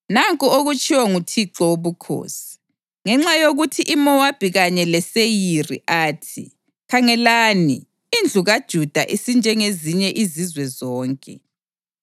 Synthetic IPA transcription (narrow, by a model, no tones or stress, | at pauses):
naŋkʼuoɣut͡ʃʼiwaŋutʰiǁɔoβukʰo̰ːsi̥ | ŋɛŋ͡ǁajoɣutʰiʔimɔwab̥ʱiɣaɲɛlɛsejirḭʔaːtʰḭ | kʰaŋɛlaːnḭ | ind͡ɮʱuɣad̥ʒ̥ʱud̥ʱa̰ʔisind͡ʒʱɛŋeziɲɛʔizizwɛzɔːŋkʼɛ̰